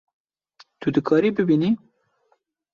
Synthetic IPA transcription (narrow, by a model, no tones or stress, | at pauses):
t̪ud̪əkʰɑɾibəbini